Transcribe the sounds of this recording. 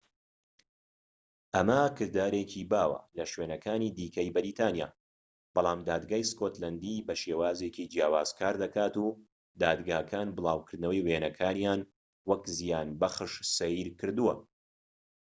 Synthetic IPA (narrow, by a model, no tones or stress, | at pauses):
ʔɐmɐkɨɾd̪aːɾecʰibaːwɐ̰lɐʃweːnɐkʰaːniːd̪iːkɐjbɨɾiːt̪ʰaːnija̰ː | b̥ɑlˠaːmd̪aːd̪ɡaːjskoːt̪lɐnd̪ibɐʃeːwaːzecid͡ʒijaːwaːz̥kʰaːɾd̪ɐkaːt̪u | d̪aːd̪ɡaːkʰaːnbɨlˠaːwkʰɨɾd̪nɐwɐjweːnɐkʰaːnijaːn | wɐkzijaːnbɐχɨʃsɐiɾkɨɾd̪uwɐ̰